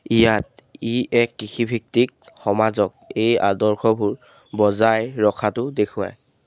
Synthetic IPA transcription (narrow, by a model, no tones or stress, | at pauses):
ijat̚iɛkːixibʱik̚tik̚xɔmazɔk̚ejadɔɹxʰɔbʱuɹ | bɔzajɹɔkʰatʊdekʰʊa̰j